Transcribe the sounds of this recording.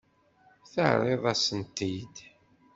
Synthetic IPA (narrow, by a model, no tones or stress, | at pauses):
θəʕɾˤeðˤæsənt̪id̪